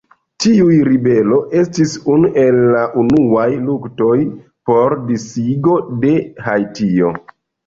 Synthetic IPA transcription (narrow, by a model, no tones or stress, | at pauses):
tiujɾibe̞lo̞ʔe̞stisunuʔe̞lːaʔunuajlukto̞j | po̞ɾdisiɡo̞de̞ɦajtio̞̰